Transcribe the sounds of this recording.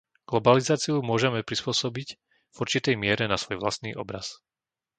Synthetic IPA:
ɡ̥lɔbalizaːt͡siumʊɔʒɛmɛpɾispʊɔsɔbic | vuɾt͡ʃit̪ɛjmɪɛɾɛnasʋɔjʋla̰st̪niːʔɔbɾa̰s

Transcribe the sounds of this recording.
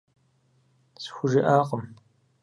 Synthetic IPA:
sxʷʊʒɪʔaːqəm

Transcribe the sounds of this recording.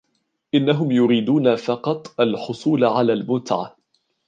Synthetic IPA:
ʔɪnːaɦʊmjʊɾiːd̪uːnafɑqɑt̪ˤʔalħʊsˤuːlʕalaːlmʊnt̪aʕa̰

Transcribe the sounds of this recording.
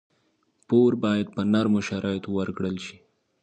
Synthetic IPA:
poɾbɑjad̪̚pənaɾmoʃaɾʔɑjt̪owaɾkɽəlʃi̥

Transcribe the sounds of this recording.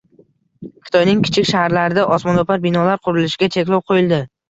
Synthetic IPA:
kʲʰɪ̥t̪ʰɒjnɪŋkʲʰɪ̥t͡ʃʰɪkʲʃahaɾlaɾɪd̪aʔɒsmɒnopʰaɾbɪnɒlaɾqʰʊɾɪlɪʃɪɡʲat͡ʃʰe̞kʲlˠɒwqʰojɪlˠd̪ɪ

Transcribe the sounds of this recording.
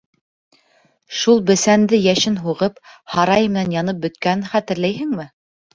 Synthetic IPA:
ʃulˠbɘ̆sænd̪ɘjæʃɘnɦuʁɤphɑɾɑjmɘ̆nænjɑnɤp̚bɵ̆t̪kænɘχæt̪ɘ̆ɾlæjɦɘŋmɘ

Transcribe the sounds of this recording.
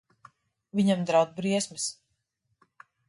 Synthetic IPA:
viɲamd̪ɾawd̪bɾiɛsmis

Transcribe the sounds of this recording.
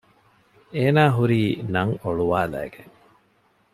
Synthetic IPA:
eːnaːɦuɾiːnɐŋoɭuʋaːlæ̰ːɡeŋ

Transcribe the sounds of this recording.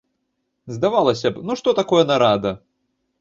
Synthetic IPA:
zd̪avalˠɐsʲɐbnuʂt̪ɔt̪akɔjɐnɐɾad̪ɐ

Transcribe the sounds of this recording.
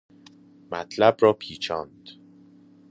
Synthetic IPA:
mæt̪ʰlæbɾɒːpʰiːt͡ʃʰɒːnd̪̥

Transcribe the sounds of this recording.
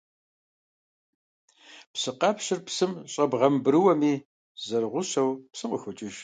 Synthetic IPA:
psɨqɑpɕɪrpsɨmɕʼɐbʁɐmbɨɾɨwɐmiː | zɐrʁʷʊɕɐwpsɨqəxʷʊt͡ʃʼɪʒ

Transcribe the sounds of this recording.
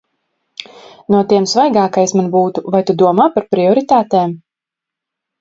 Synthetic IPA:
nuɔt̪iɛmsvajɡaːkajsmanbuːt̪uvajt̪ud̪uɔmaːpaɾpɾiɔɾit̪aːt̪ɛːm

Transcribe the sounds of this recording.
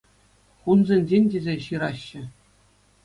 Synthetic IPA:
χunzʲenʲd͡ʑʲenʲdʲezʲeɕɯɾɑɕːɘ̆

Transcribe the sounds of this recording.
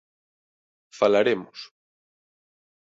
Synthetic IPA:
falaɾemʊs

